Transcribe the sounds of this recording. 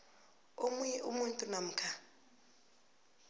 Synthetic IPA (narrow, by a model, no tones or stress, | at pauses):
omujɛʔumuntʼunam̩kʰa